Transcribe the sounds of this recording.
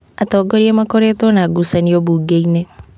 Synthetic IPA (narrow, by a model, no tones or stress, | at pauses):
at̪ɔɡɔɾiamakɔɾet̪ɔnaɡusaniobuɡeine